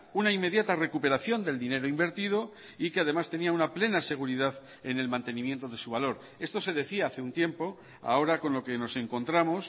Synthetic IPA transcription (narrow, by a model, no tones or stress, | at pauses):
unaimːe̞ðjat̪are̞kupe̞ɾaθjo̞nd̪e̞ld̪ine̞ɾoimbe̞ɾt̪ið̞o̞ | ikeað̞e̞mast̪e̞niaunaple̞nase̞ɣ̞uɾiðað | ene̞lmãnt̪e̞nĩmje̞nt̪o̞ð̞e̞suβ̞alo̞ɾ | e̞st̪o̞se̞ðe̞θiaaθeunt̪je̞mpo̞ | a̰o̞ɾako̞nlo̞ke̞no̞se̞ŋko̞nt̪ɾamo̞s